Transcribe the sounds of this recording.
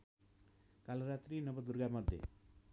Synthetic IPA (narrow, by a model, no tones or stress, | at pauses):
kaloɾat̪ɾinʌbʌd̪uɾɡamʌd̪ʱːjḛ